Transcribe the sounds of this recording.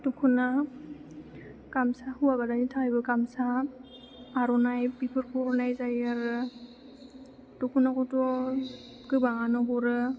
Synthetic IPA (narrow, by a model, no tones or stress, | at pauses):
tukʰuna | kamsahuwabadanitʰajbɯkamsaː | ɾɔnajbipʰɯɾkʰɔɾnajzajaɾɯ | tukʰunakʰɔtɔ | kɯbaŋanɔbɔɾɯ